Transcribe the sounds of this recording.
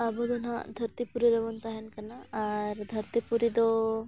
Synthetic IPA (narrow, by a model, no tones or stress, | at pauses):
abɔd̪unãd̪ʱɐɾt̪ipuɾiɾebɔnt̪aɦɛnkanaːɾd̪ʱɐɾt̪ipuɾid̪ɔ